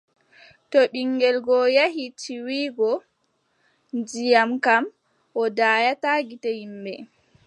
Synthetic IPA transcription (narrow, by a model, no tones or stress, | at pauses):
tɔɓiŋɡɛlɡɔjaɦitʰiwiːɡɔ | nd͡ʒijamkam | ʔɔdajataɡitɛhimbɛ̰